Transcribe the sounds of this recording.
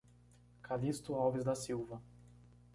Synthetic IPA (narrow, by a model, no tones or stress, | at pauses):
kʰalist̪ʊawvɪzd̪ɐsiwvɐ